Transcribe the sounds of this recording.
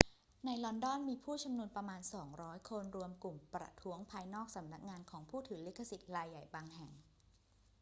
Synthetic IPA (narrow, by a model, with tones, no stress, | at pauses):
na˧jlɔ˧ndɔ˥˩nmiː˧pʰuː˥˩t͡ɕʰa˧mnu˧ənpɾa˧maː˧nsɔː˩˦ŋɾɔː˦˥jkʰo˧nɾu˧əmku˨˩mpɾa̰˧t̪ʰu˦˥əŋpʰaː˧jnɔː˥˩k̚sa˩˦mna˦˥k̚ŋaː˧nkʰɔː˩˦ŋpʰuː˥˩t̪ʰɯː˩˦li˦˥kʰːa˧si˨˩t̪̚ɾaː˧jːa˨˩jbaː˧ŋɦɛ˨˩ŋ